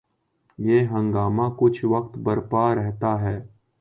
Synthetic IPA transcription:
jeːɦə̃ŋɡaːmãkʊt͡ʃʰʋɐkt̪bɐɾpaɾɛɦt̪aɦɛː

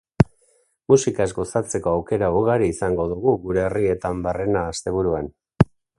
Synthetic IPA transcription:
musikazɡo̞sat͡se̞ko̞awke̞ɾauɣaɾiːsaŋɡo̞ðuɣuɣuɾe̞ːrie̞t̪ambare̞naːst̪e̞β̞uɾuan

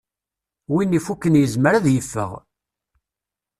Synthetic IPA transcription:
winːifukːənjəzməɾaðjəfːə̰ʁ

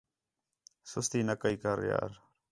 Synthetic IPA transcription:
sʊst̪iːnəkəiːkəɾja̰ːɾ

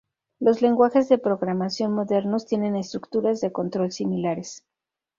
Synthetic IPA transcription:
lo̞zle̞ŋɡwaxe̞zðe̞pɾo̞ɣɾamasjo̞nmo̞ðe̞ɾno̞st̪je̞ne̞ne̞st̪ɾukt̪uɾazðe̞ko̞nt̪ɾo̞lsimilaɾe̞s

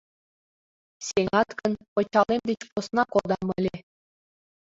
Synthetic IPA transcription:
sʲeŋɑt̪kɤ̆npɤ̆t͡ɕɑlˠemd̪ʲet͡ɕposnɑkod̪ɑmɤ̆lʲe

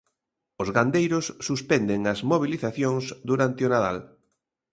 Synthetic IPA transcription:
ʊzɣand̪ejɾʊsːuspɛnd̪ɪŋɐzmoβ̞iliθaθjõŋsd̪uɾant̪ɪʊnaða̰l

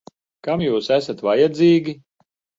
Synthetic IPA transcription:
kamjuːsæsat̪vajad̪ziːɡʲi

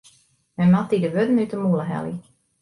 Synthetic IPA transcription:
mɛmɔtidəʋødənytəmuləɦɛ̰lḭ

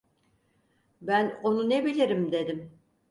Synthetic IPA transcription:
bæno̞nune̞bilʲiɾimd̪e̞d̪im

